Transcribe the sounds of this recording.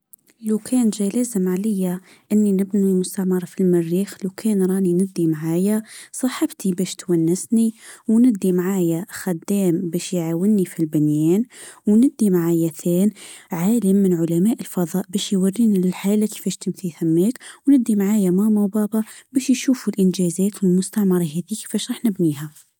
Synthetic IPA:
lawkʰɛːnʒælæːzəmʕalɪjːa | ʔɪnːinɪbnilmʊst̪aʕmɑɾˤɑfilmɪrːiːxluwkʰɛːnɾˤɑːninɪd̪ːimaʕaːjasˤɑħɑbt̪ibæʃt̪wænːɪsniwnɪd̪ːimʕaːjaxad̪ːɛːmbɛʃjʕawɪnːifilbɪnjɛːnwnɪd̪ːimaʕaːjaθeːnʕaːlɪmːɪnʕʊlamæːʔɪlfɑðˤɑːʔbæʃjwarːiːnilɪlħaːlake̥fæːʃt̪ɪmθiθamːæːkwnɪd̪ːimʕaːjamamawbɑːbɑbæːʃjʃuːfulʔɪnʒæːzæːt̪wɪlmʊst̪aʕmɑɾˤɑɦæːðike̥fæːʃɾˤɑːħnɪbniːha

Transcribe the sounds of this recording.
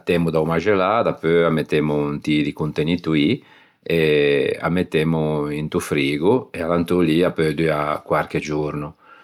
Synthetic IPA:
t̪ːɛmud̪awmaʒelad̪apøamːet̪ːɛmunt̪id̪ikunt̪enit̪ui | ea̰mːet̪ːɛmuint̪ufɾiːɡuealant̪uliapød̪yakwaɾked͡ʒuɾnu

